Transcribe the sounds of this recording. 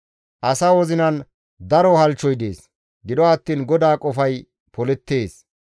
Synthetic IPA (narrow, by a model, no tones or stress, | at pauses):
ʔɐsawɔzɪnɐn | d̪ɐɾɔhɐlt͡ʃːɔjd̪eːs | ɡɪd̪ɔɐt̪ːiːnɡɔd̪aːkʼɔfɐj | pɔlɛt̪ːe̞ːs